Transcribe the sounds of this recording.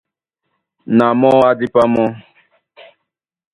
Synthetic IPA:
na˨mɔ˦a˦di˦pa˦mɔ̃˦

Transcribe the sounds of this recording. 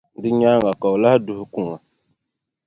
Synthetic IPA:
di˦ɲa˦ŋɡa˨ka˨wla˦hdu˦hku˦˨ŋa˨

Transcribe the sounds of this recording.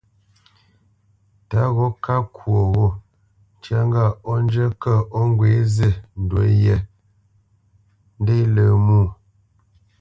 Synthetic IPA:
ta˦ɣɔ˨˦ka˦kʰwo˨ɣɔ˦˨ | t͡ʃja˦ŋ˦ɡa˦˨ɔ˦n˦d͡ʒə˦kə˦˨ɔ˦ŋ˦ɡwe˨˦zə˦˨n̩˨dwə˨˦jɛ˦˨ | n̩˦de˦lə˨muː˦˨

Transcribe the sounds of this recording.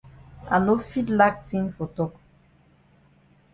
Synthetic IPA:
a̰˨no˦fi˦tla˦k̚tĩ˦nfo˨tɔ˦k

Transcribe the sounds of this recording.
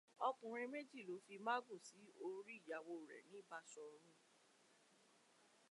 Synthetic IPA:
ɔ˧k͡pũ˨ɾ̃ĩ˧me˦d͡ʒi˦˨lo˨˦fi˧ma˦ɡu˦˨si˨˦o˧˦ɾi˦i˦˨ja˨˧wo˧˨ɾɛ̰˨nĩ˨˦˨ba˧sɔ˧ɾ̃ũ˦

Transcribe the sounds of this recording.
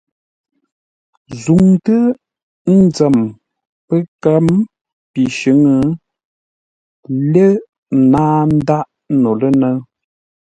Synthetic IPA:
zu˨ŋtə˦ | n̩˦d͡zə˨m | pə˦kə˦m | pi˨ʃə˨˦ŋə˦ | le˦˨ | naː˦n̩˦da˦ʔ | no˨lə˦nə˦

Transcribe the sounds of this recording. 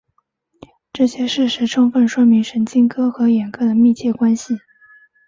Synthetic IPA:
ʈ͡ʂɤ˥˩ɕjɛ˥ʂɻ̩˥˩ʂɻ̩˧˥ʈ͡ʂʰʊ˥ŋfə˥˩nʂwɔ˥mi˧˥ŋʂə˧˥nt͡ɕi˥ŋkʰɤ˥xɤ˧˥jɛ˨˩nkɤ˥d̪ə˨mi˥˧t͡ɕʰjɛ˥˩kwa˥nɕi˨˩

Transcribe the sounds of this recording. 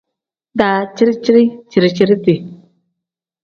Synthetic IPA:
da˨t͡ʃi˦ɾi˦t͡ʃi˦ɾi˦t͡ʃi˨ɾi˨t͡ʃi˦ɾi˦ti˨

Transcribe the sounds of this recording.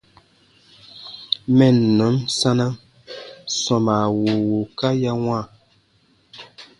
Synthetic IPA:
mɛ˦˨nː˨ɔ˨˦msa˦na˦ | sɔ˨ma˨wo˨wo˨ka˦ja˦ŋwa˦˨

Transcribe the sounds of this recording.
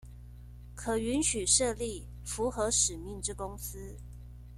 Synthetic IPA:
kʰɤ˨˩y˧˥nɕy˨˩ʂɤ˥˧li˥˩˨ | fu˨˦˥xɤ˧˦ʂɻ̩˨˩mi˥˨ŋʈ͡ʂɻ̩˥˩kʊ˥ŋsɹ̩˥

